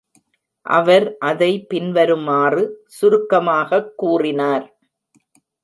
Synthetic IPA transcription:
ʔɐ̰ʋɐɾʔɐðɐɪpɪnʋɐɾɯmaːrɯsʊɾʊkːɐmaːɣɐkːuːrɪnaːɾ

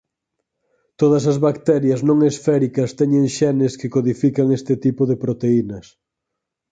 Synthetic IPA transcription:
t̪oðɐs̬ɐzβakt̪ɛɾjɐznõŋesfɛɾikɐst̪ɛɲeŋʃɛnɪskɪkoðifikɐŋest̪ɪt̪ipʊðepɾot̪einɐs

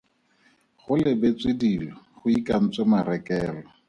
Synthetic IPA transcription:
χʊlɪbet͡swɪdilɔχʊikʼan̩t͡semaɾɛkʼɛːlɔ

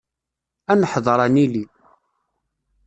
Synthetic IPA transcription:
ænəħðˤəɾˤɑnili

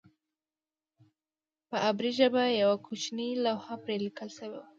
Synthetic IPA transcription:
pəʔabɾiʒabajawakʰut͡ʃnilawhapɾelikəlʃawew

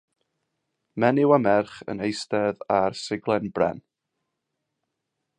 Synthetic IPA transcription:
mɛnɪwamɛrχə̰nejstɛðarsɪɡlˠɛnbrɛ̰n

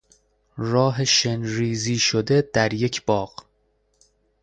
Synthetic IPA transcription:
rɒːɦeʃenɾiːziːʃod̪e̞d̪̥æɾje̞cʰb̥ɒːɢ̥

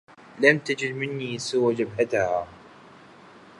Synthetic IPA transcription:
lamt̪ad͡ʒɪd̪mɪnːiːsɪwad͡ʒabhat̪haː

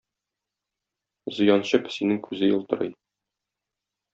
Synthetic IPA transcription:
zɤ̆jɑnɕɤpsinɘŋkʰʉzɘjɤ̆lˠt̪ɤ̆ɾɤj

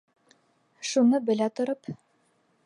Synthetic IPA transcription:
ʃunɤbɘ̆læt̪ŏɾɤp

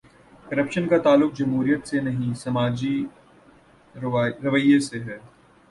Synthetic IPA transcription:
kɐɾəpʃənkat̪aːlːʊk̚d͡ʒɐmɦuːɾijət̪senɐɦĩsɐmaːd͡ʒi | ɾɐʋəjeseɦɛː

